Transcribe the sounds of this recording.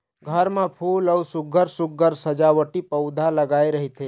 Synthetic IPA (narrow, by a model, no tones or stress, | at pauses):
ɡʱəɾmẽpʰuːləusʊɡʱəɾsʊɡʱəɾsəd͡ʒaʋəʈipəʊd̪ʱaləɡaːeɾəɦit̪ʰe